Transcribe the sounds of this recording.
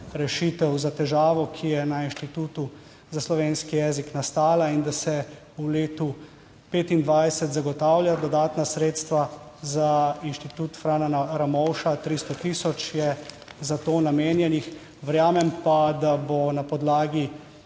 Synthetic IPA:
ɾɛʃiːt̪ɛwzat̪ɛʒaːʋɔkʰijɛnainʃt̪it̪uːt̪u | zaslɔʋeːnskijɛːziknast̪aːlaind̪asɛ | uleːt̪u | peːt̪ind̪ʋajsɛt̪zaɡɔt̪aːwljad̪ɔd̪aːt̪nasɾeːt̪st̪ʋazainʃt̪it̪uːt̪fɾaːnanaɾamɔwʃat̪ɾist̪ɔt̪isɔt͡ʃjɛ | zat̪oːnameːnjɛnix | ʋəɾjaːmɛmpad̪abonapɔd̪laːɡi

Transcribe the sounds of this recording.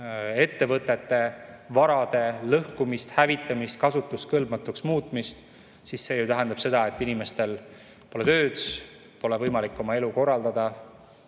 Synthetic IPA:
e̞t̪ːe̞vɤt̪ːˑe̞t̪ːe̞ | vɑɾɑd̪e̞lɤhkumist̪hævit̪ːˑɑmist̪kɑsut̪ːˑuskɤlbmɑt̪ːuksmuːt̪ˑmist̪ | sisːe̞jut̪æɦend̪ɑb̥se̞d̪̥ɑe̞t̪ˑːinime̞st̪e̞l | po̞let̪ø̞ːd̪̥ | po̞levɤjmɑlikːˑo̞mɑe̞luko̞rːɑld̪ɑd̪̥ɑ

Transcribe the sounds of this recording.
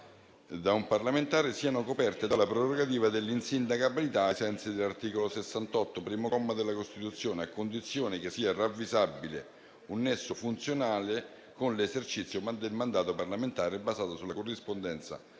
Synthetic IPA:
d̪aumparlament̪aːɾesiːanokopɛrt̪ed̪alapɾoɾoɡat̪iːvad̪elːinsind̪akabilit̪aesɛnt̪sid̪elart̪iːkolosesːant̪ɔt̪ːopɾiːmomːad̪elːakost̪it̪ut̪sːjoːneakːond̪it̪sːjoːnek̟esiːaravːizabːile | unːesːofunt̪sjonaːle | konlezert͡ʃit̪sːjomad̪elmand̪aːt̪oparlament̪aːɾebːazaːt̪osulːakorːispond̪ɛnt̪sa̰

